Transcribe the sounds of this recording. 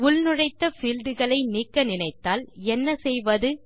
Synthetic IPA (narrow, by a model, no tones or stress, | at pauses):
ʊlnɯɻɐɪt̪ːɐfiːlɖɯɣɐɭɐɪniːkːɐnɪnɐɪt̪ːaːlɛnːɐsɛjʋɐðɯ